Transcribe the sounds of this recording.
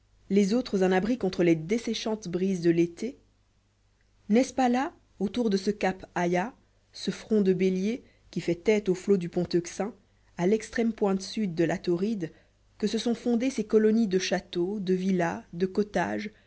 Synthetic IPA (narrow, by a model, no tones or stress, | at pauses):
lezot̪χəzɛ̃nabʁikɔ̃t̪χəled̪esɛʃɑ̃t̪bʁizd̪əlet̪e | nɛspala | ot̪uʁd̪əsəkapaja | səfχɔ̃d̪əbelje | kʲifɛt̪ɛt̪oflod̪ypɔ̃t̪ɔksɛ̃ | alɛkst̪χɛmpwɛ̃t̪syd̪ːəlat̪ɔʁid̪ | kəsəsɔ̃fɔ̃d̪esekɔlɔnid̪əʃat̪od̪əvilad̪əkɔt̪a̰ːʒ